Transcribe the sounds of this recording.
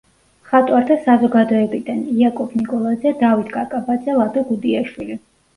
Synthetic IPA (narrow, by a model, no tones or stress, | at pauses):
χat̪ʼwaɾt̪ʰasazɔɡad̪ɔɛbid̪aniakʼɔbʰnikʼɔlˠad̪zɛd̪avit̪ʰɡʼakʼabad̪zɛlˠad̪ɔɡud̪iaʃwili